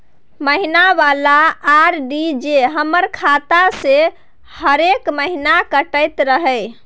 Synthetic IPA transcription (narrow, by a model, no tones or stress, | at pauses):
məɦinabalaːɾɖid͡ʒeɦəməɾkʰat̪ase | həɾekməɦinakəʈəjt̪ɾəɦəj